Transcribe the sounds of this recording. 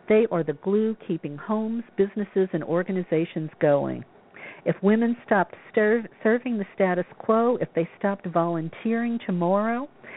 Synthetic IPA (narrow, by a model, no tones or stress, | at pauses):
ðeɪʔə˞ðɨɡlukʰipɪ̃ŋhõʊ̃mz̥bɪznɨsɨzɨ̃nɔɹɡɨnɨzeɪʃɨ̃nzɡoʊɪ̰̃ŋ | ɨfwɪ̃mɨ̃nstɑp̚tstə˞vsɜ˞vɪ̃ŋðɨstæɾɨskʰl̥oʊɨfðeɪstɑp̚tvɑlˠə̃ntʰɪɹɪ̃ŋtʰɨmɑɹoʊ